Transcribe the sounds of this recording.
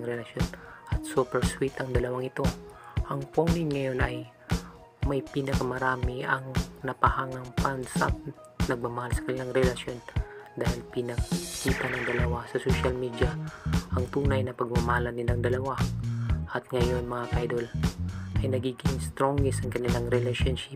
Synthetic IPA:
ŋɾɛlɐʃo̞nʔɐt̪̚supɛɹswit̪ɐŋd̪ɐlɐwaŋɪt̪o̞ʔɐŋponɪŋŋɐjo̞nɐj | mɐjpiːnɐkɐmɐɾaːmɪɐŋnɐpɐhaŋnɐŋpɐnsap̚ | nɐɡ̚mamɐhalsɐ̥kɐnɪlaŋɾɛlɐʃjo̞nd̪aːhɪlpɪnɐkiːt̪ɐnɐŋd̪ɐlɐwasɐsoʃɐlmiːd̪jɐʔɐŋt̪uːnɐjnɐpɐɡ̚mɐmɐhalɐnɪlaŋd̪ɐlɐwa | ʔɐt̪̚ŋɐjo̞nmɐŋaʔajd̪o̞lʔɐjnɐɡiːɡɪŋst̪ɾoŋɛsɐŋkɐnɪlaŋɾɛlɛʃonʃɪp

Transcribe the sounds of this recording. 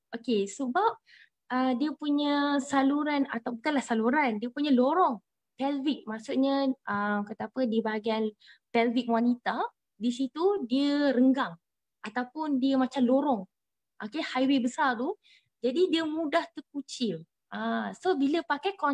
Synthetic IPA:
ʔokesəbap̚ | ədiəpuɲəsaluɾanat̪awbək̪alahsaluɾandiəpuɲəloɾɔŋ | t̪ɛlvik̚maksuʔ̚ɲəʔəmkət̪apədiəbaɡiant̪ɛlvik̚wanit̪a | disit̪udiəɾəŋɡaŋ | ʔat̪awpʊndiəmat͡ʃamloɾɔŋ | ʔokehajwebəsart̪u | d͡ʒadidiəmũdaht̪ərkut͡ʃɪl | ʔasobiləpakajkɔ

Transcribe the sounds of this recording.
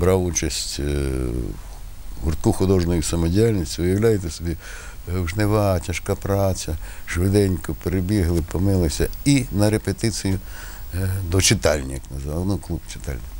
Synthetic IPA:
bɾɑwut͡ʃɐsʲtʲ | ɦʊrt̪̚kuxʊd̪ɔʒnɔjʊsɐmɔdʲijalʲnʲisʲtʲʋɪjɐwlʲajet̪ɛsɔbʲi | wʒneʋɑtʲɐʃkapɾat͡sʲɐʃʋɪd̪ɛnʲkʊpeɾebʲiɦlˠɪpɔmɪlˠɪsʲɐinɐɾepet̪ɪt͡s̪ijʊ | d̪ɔt͡ʃɪt̪ɑlʲnʲijɐknɐzʋɑnʊklˠubt͡ʃɪ̥t̪ɑ̰lʲnʲɪ

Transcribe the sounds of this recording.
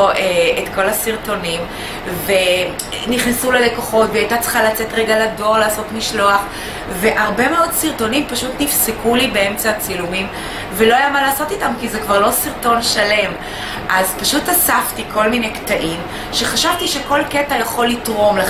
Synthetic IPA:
ʔeetko̞lasiʁto̞nim | ve | niχnesulele̞koχo̞tveajtat͡sχalat͡se̞tʁeɡalado̞ʁlaːso̞tmiʃlo̞aχ | ve̞ʔaʁbe̞me̞o̞dsiʁto̞nimpaʃutnifsekulibee̞mt͡sat͡silumim | velo̞ajamalaːso̞t̪itamkizekvaʁlo̞siʁto̞nʃale̞m | ʔazpaʃutasaftiko̞lminejktaʔim | ʃe̞χaʃavtiʃe̞ko̞lketajaχo̞lːitʁo̞mle

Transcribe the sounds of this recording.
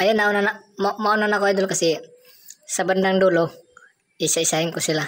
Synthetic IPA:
ajanaunanamamaunanakoajd̪ulukasi | saband̪aŋd̪ulu | isaisaɪŋkʊsila

